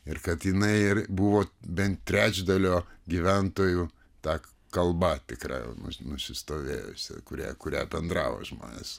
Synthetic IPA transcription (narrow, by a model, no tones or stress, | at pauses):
ɪrkɐt̪jɪnɐɪɪrbuʋoːbʲɛnt̪t̪ʲɾʲæːd͡ʒʲd̪ɐlʲoːɡʲiʋʲɛnt̪oːjuː | t̪ɑː | kɐlˠbɐt̪ʲɪkrɑ̰ːjɛ̰ʊnʊ̰nʊsʲɪst̪oːʋʲḛːjo̰sʲɛ̰kʊɾʲæ̰ːkʊɾʲæ̰ːbʲɛnd̪ɾɑːʋo̰ːʒmo̰ːnʲḛːs